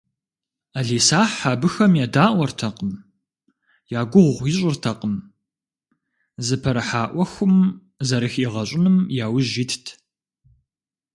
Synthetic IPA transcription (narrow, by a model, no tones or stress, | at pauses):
aɮeːsaːħħabɨxɐmjaːdaːʔʷɐrtʰɐqəm | jaːɡʷʊʁʷʁʷjɪɕʼɪrtʰɐqʼəm | zɨpʰɐɾɐħaːʔʷɐxʷʊm | zɐɾɨxiʁɐɕʼɪnɨmjaːwɪʒitʰtʰ